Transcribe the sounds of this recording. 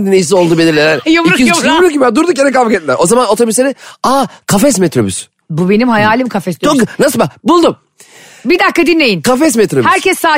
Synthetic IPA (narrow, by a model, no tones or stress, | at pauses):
d̪inːejis̬io̞lˠd̪ubelʲiɾlʲeɾænjomɾuijomuɾukibad̪uɾd̪uk̬jeɾɛkavkɛt̪ʲlʲæɾʔo̞zamanot̪ʰobiseɾiaːkʰafɛs̬mɛt̪ɾo̞by̰s | bubenimɦajaːlʲimkʰafɛst̪t͡ʃʰonasɯbabulˠd̪um | bid̪akːad̪inlʲe̞jinkʰafɛs̬mɛt̪ɾobhæɾcʰɛsːaː